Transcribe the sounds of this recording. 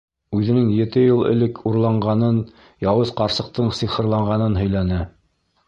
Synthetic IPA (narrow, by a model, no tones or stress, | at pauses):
ʉðɘ̆nɘŋjɘ̆t̪ɘjɤlˠɘ̰̆lɘkʰuɾlˠɑɴɢɑnɤn | jɑwɤzqɑɾsɤ̆q̚t̪ɤɴsiχɤ̆ɾlˠɑɴʁɑnɤnɦɵ̆jl̪ænæ